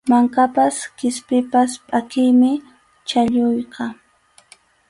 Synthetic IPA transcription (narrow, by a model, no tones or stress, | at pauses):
maŋkapaskɪspɪpaspʼakɪjmɪ | t͡ʃaʎʊjqɑ